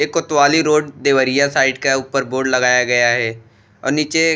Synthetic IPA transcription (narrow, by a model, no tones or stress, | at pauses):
eːkːʊt̪waːliɾoːɖd̪eːʋəɾijasaːɪɖkauːpəɾboːɖlɐɡaːjaɡɐjaɦɛː | ɔ̰ːɾniːt͡ʃe